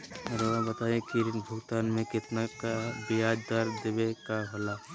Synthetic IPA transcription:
ɐɾeʋɐɦbɐt̪aːjẽkiɾbʱʊɡt̪aːnmẽkɪt̪nakabɪjaːd͡ʒd̪aɾd̪eʋekaɦɐlaː

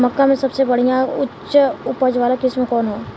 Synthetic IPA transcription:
mɐkːamẽsɐbsebɐɽ̤ijãʊtːəʊpəd͡ʒʋaːlakɪsmẽkɔːnɦoː

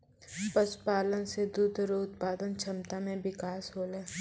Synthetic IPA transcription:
pəspaːlənsed̪uːd̪ɾoʊt̪̚paːd̪ənt͡ʃʰɐmt̪amẽbɪkaːsɦoːleː

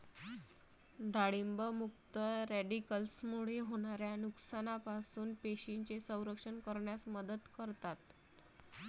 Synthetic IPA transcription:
ɖʱaɽimbəmukt̪əɾæɖikəlsmuɽ̤eɦoɽ̃aɾjanuksanapasuːnpeɕiɲt͡ɕesə̃w̃ɾəkʂənkəɾɳjasməd̪əd̪kəɾt̪at̪

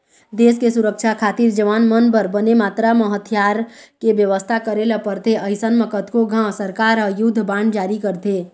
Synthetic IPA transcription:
d̪eskesuɾəkt͡ʃʰakʰat̪iɾd͡ʒəʋanmənpəɾbənemat̪ɾaməɦət̪ʰjaɾkebjəʋəst̪ʰakəɾeləpəɾt̪ʰeəɪsənmekət̪koɡʱãsəɾkaɾəjud̪ʱːbaɳɖd͡ʒaɾikəɾt̪ʰe

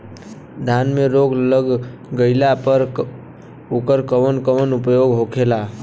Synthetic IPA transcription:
d̪ʱanmeɾoɡləɡɡəɪlapəɾ | okəɾkəʋənkəʋənupjoɡɦokʰela

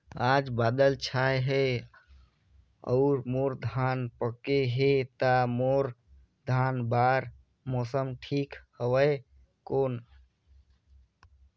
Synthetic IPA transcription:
ad͡ʒbad̪əlt͡ʃʰajɦe | ɔ̰ʊɾmoɾd̪ʱanpəkeɦet̪amoɾ | d̪ʱanbaɾ | mɔsəmʈʰikhəwəj | koːn

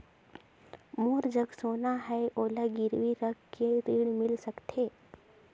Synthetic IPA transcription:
muːɾd͡ʒəɡsoːnaɦɛʔoːlaɡɪɾʋiɾəɡkeɾiːɽmɪlsəkt̪ʰeː

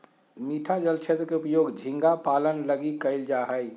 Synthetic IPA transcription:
miʈʰad͡ʒəlt͡ʃʰet̪ɾəkeupjoɡd͡ʒʱĩŋɡapalənləɡikəɪld͡ʒaɦəj

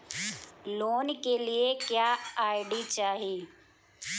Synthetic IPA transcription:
loːnkeliekjaːaːɪɖit͡ʃaːɦiː

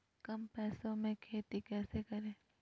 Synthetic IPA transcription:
kɐmpɛːsõmẽkʰeːt̪ikɛːsekɐɾẽː

